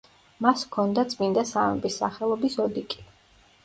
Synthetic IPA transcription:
maskʰɔnd̪at̪sʼmind̪asamɛ̰bisːa̰χɛlˠɔbisɔd̪ikʼi̥

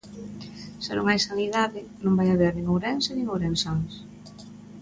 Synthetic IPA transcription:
senuŋajsaniðaðɪnõmbajaβɛɾniŋowɾɛnsenĩŋowɾɛnsans

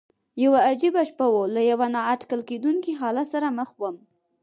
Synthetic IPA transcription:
jawaːd͡ʒibaʃpawolajawanɑaʈkalked̪unkiɦɑlat̪saɾaməxwəm

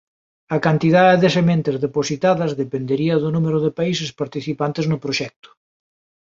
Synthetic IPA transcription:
ɐkant̪iðaðeðesemẽnt̪ezðeposit̪aðɐzðepend̪eɾiɐðʊnumeɾʊðepais̬espaɾt̪iθipant̪eznʊpɾoʃɛk̚t̪ʊ̥

